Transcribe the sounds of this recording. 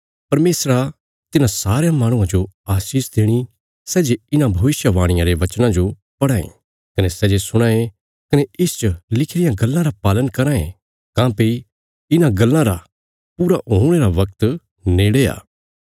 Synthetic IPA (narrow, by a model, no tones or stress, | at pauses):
pɐɾmeːsɾa | t̪ɪnãsaːɾejãmaːɽ̃ũãd͡ʒoaːsiːsd̪eːɽ̃i | sɛːd͡ʒeɪnãbʱɐʋɪsjəʋaːɽ̃ɪ̃jãɾeʋɐt͡ʃnãd͡ʒo | pɐɽaːḛ̃ | kɐnesɛːd͡ʒesʊɽ̃ãːe | kɐneʔɪst͡ʃəlɪkʰɽɪjãɡɐlːãɾapaːlənkɐɾãːẽ | kãːpei | ɪnãɡɐlːãɾa | puːɾaɦoːɽ̃eɾaʋɐk̚t̪ | neːɽea̰ː